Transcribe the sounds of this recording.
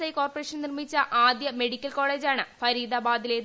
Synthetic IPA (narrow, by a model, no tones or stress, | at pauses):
sɐjko̞ːrporeːʂɐnnirmit͡ɕːɐʔaːd̪jɐme̞ɽikʲːɐlko̞ːɭe̞ːd͡ʑaːɳɨfɐɾiːd̪ɐbaːd̪ileː